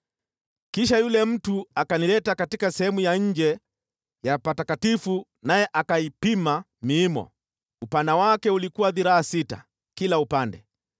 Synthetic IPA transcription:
kiʃajulɛm̩tuakanilɛtakatikasɛhɛmujaɲ̩d͡ʒɛ | japatakatifu | najɛʔakaipima | miːmɔ̰ | upandawakɛulikuwaðiɾaasita̰ | kilaupandɛ̰

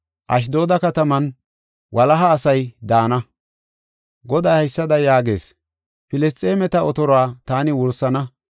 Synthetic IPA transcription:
ʔɐ̰ʃ̬d̪o̞ːd̪ɐkɐt̪ɐmɐn | wʔɐlɐɦɐːsɐjd̪aːnɐ | ɡɔd̪aːhɐjsːɐd̪ɐjaːɡe̞̰ːs | fɪlɪst̪ʼːeːmɛt̪ɐɔt̪ɔɾɔaːt̪aːnɪwʊɾsːɐnɐ

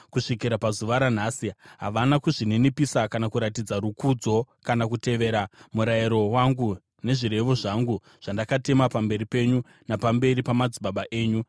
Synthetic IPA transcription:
kuʂikiɾapazuʋaɾan̤aːsiɦaʋanakuʐininipisakanakuɾatid͡zaɾukud͡zo̞ | kanakute̞ʋe̞ːɾamuɾaiɾo̞waŋɡu | ne̞ʐiɾe̞ʋo̞ʐaŋɡu | ʐ̥andakate̞mapambe̞ɾipe̞ɲu | napambe̞ɾipamad͡ziɓaɓaʔe̞ːɲu

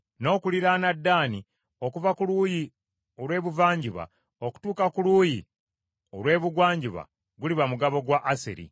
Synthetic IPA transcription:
no̞ːkuliɾanadːaːni | o̞kuvakuluːji | o̞lwe̞ːβuvaːɲɟiβa̰ | o̞ku̥tuːkakuluːji | o̞lwe̞ːβuɡwaːɲɟiβa̰ | ɡuliβamuɡaβo̞ɡwaʔːsḛɾḭ

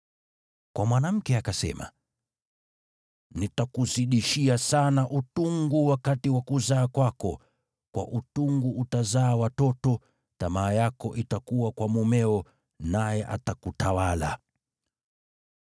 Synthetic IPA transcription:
kwamwanam̩kɛakasɛ̰ma̰ | nitakuziɗiʃiasanaʔutuŋɡuwakatiwakuzaːkwakɔ | kwa̰ʔutuŋɡuʔutazaːwatɔtɔ | tamaːjakɔʔitakuwakwamumɛɔ | najɛʔa̰takutawala̰

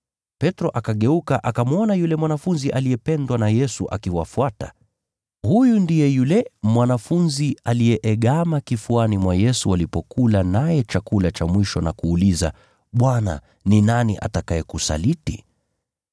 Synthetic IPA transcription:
pɛtɾɔʔakaɠɛukaʔakamuɔnajulɛmwanafunziʔaliɛpɛndwanajɛsuʔa̰kiwafuata̰ | hujundijɛjulɛmwanafunzialijɛʔɛɠamakifuanimwajɛsualipɔkulanajɛt͡ʃakulat͡ʃamwiʃɔnakuːliza̰ | ɓwana̰ | ninaniʔa̰takaɛkusa̰liti

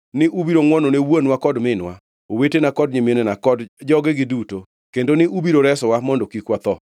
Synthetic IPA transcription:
nɪʔubiɾoŋwɔnɔnewonwakɔdmɪnwa̰ | owetenakɔd̚ɲimjenɛnakɔdd͡ʒɔɡɛɡɪduto | kendonɪʔubiɾoɾɛsɔwamɔndɔkikwat̪ɔ

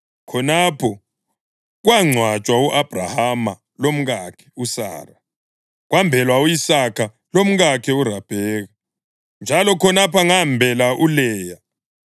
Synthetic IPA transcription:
kʰɔnapʰɔ | ɣwaŋ͡ǀʱwat͡ʃʼwauʔab̥ʱra̰hama̰ | lom̩ɣakʰɛ̥usa̰ːra | ɣwambʱɛlwauisakʰa | lom̩ɣakʰɛurab̥ʱɛːɣa | nd͡ʒʱalɔkʰɔnapaŋambʱɛlaʔulɛːja

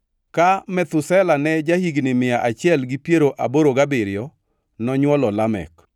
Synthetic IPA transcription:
kamɛt̪ʊsɛlanɛd͡ʒahiɡnɪmɪjaʔat͡ʃɪɛlɡipjeɾoʔa̰boɾoɡabɪɾɪjɔ | nɔɲwɔlɔlamɛ̰k

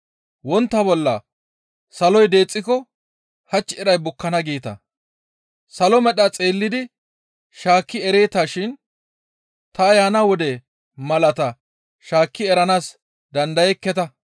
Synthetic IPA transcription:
wɔnt̪ːɐbɔlːɐ | sɐlɔjd̪e̞ːt͡sʼːɪkɔ | hɐt͡ʃːɪɛɾɐjbʊkːɐnɐɡeːt̪ɐ̰ | sɐlɔmɛɗɐt͡sʼeːlːɪd̪ɪ | ʃaːkːɪɛɾe̞ːt̪aʃɪn | t̪ɐːjaːnawɔd̪ɛ | mɐlɐt̪ɐ | ʃaːkːɪɛɾɐnaːs | d̪ɐnd̪ɐjɛkːɛt̪ɐ

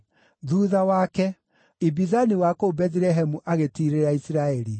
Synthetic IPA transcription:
ðuːðawaːkɛ | ibizaniwakobɛðiɾɛɦɛmuʔaɣetiɾeɾaisiɾaɛɾi

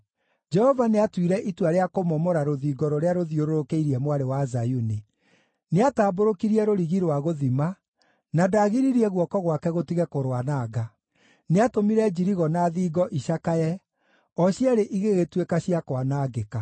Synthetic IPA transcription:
d͡ʒɛhɔvaneatwiɾɛʔitwaɾeakomɔmɔɾaɾoðiːɡɔɾoɾeaɾoðioɾoɾokeiɾiɛmwaɾewazajuni | neataːboɾokiɾiɛɾoɾiɣiɾwaɣoðima | nadaːɣiɾiɾiɛɣwɔkɔɣwakɛɣotiɣɛkoɾwanaːɡa | neatomiɾɛd͡ʑiɾiɣɔnaðiːɡɔʔiɕakajɛ | ɔɕjaɾeʔiɣeɣetwekaɕiakwanaːɡeka

